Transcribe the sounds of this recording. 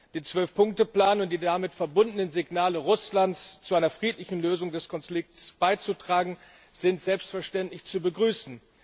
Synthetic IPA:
d̥eːt͡sv̥œlfpʰʊŋk̚təpl̥aːnəʊnt̚d̥iːdamɪtfɛɐbʊndənənzɪɡnaːləʁʊslantt͡st͡suʔaɪnɐfʁ̥iːtlɪçn̩løːzʊŋdɛskʰɔnflɪk̚tsb̥aɪt͡sutʁ̥aːɡŋ̩ | z̥ɪntz̥ɛlpstfɛɐʃtɛntlɪçt͡subəɡʁyːsn̩

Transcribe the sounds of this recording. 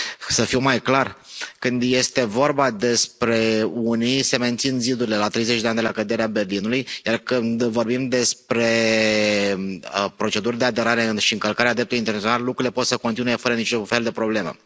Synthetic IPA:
səfiwmajklarkɨnd̪je̞st̪e̞vo̞rbad̪e̞spɾe̞unise̞me̞nt̪sinzid̪uɾilelat̪ɾe̞jzet͡ʃʲd̪eand̪elakəd̪e̞ɾeabe̞rlinulujjarkɨnd̪vo̞rbimd̪e̞spɾe̞ | əpɾo̞t͡ʃe̞d̪uɾd̪ead̪e̞ɾaɾe̞ɨʃiɨŋkəlkaɾead̪ɾep̚t̪ulint̪enat̪ionallːukɾuile̞po̞t̪səko̞nt̪inuje̞fəɾənit͡ʃofe̞ld̪epɾo̞ble̞mḛ

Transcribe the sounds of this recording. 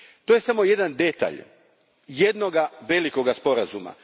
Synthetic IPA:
t̪o̞je̞samo̞je̞d̪and̪e̞t̪a̰ʎ | je̞d̪no̞ɡaʋe̞liko̞ɡaspo̞ɾazuma̰

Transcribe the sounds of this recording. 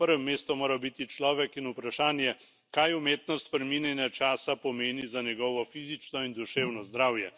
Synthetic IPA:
pəɾʋɛmːeːst̪ɔmoːɾawbit̪it͡ʃlɔːʋɛkinupɾaʃaːnjɛ | kajumeːt̪nɔspɾɛminjɛnjat͡ʃaːsapɔmeːnizanjɛɡɔːʋɔfiːzit͡ʃnɔind̪uʃeːwnɔzd̪ɾaːwjɛ

